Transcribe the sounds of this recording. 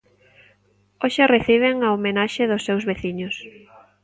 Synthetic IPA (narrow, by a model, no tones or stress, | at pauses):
oʃereθiβ̞eŋaomenaʃɪðʊsːewzβeθiɲʊs